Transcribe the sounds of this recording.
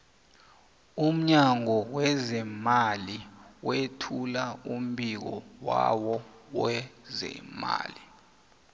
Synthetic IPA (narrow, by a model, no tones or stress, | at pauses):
um̩ɲaŋɔwɛzɛmaliwetʰulaum̩bʱik̬ɔ̰wa̰wɔwɛzɛ̰ma̰ːli